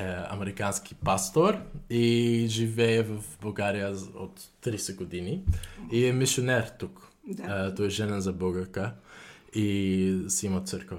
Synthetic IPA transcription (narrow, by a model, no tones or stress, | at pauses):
ɛɐ̰mɛɾikansk̟i̥past̪oɾiʒivɛɛvɐfbɐlˠɡaɾijəo̰t̪ːɾisɛɡod̪iniiɛmisionɛɾt̪uk | t̪ɔɛʒɛnəzɐbəɡəɾkə | isɛimət̪səɾkvə